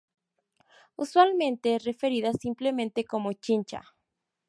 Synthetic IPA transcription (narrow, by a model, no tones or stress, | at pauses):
uswalmẽnt̪ere̞fe̞ɾiðasimple̞mẽnt̪e̞ko̞mot͡ʃint͡ʃa̰